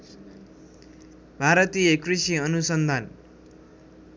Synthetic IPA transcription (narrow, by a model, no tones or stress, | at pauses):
bʱaɾʌt̪ijʌkrisiʌnusʌnd̪ʱan